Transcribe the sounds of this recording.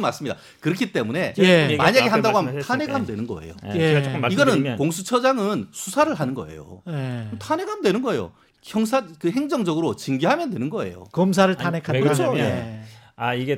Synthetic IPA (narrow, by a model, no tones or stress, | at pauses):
mas͈ɯmɲida̰ | kɯɾʌkʰit͈e̞mune̞maɲaɡe̞ɦanndaɡoɦamt̪ʰane̞ɡaɦamndwe̞nɯnɡʌ̰e̞̰jo̰eiɡʌnɯnkoŋsʰut͡ɕʰʌd͡ʑaŋɯnsʰusʰaɾɯɭɦanɯnɡʌ̰e̞̰jo̰mtʰane̞ɡaɦamdwe̞nɯnɡʌejo̰ | çʰjʌŋs̬ʰakɯɦe̞ŋd͡ʑʌŋd͡ʑʌɡɯɾot͡ɕiŋɡiɦamjʌndwe̞nɯnɡʌe̞̰jo̰kʌms̬ʰaɾɯɭtʰanekʰanʌoeaiɡe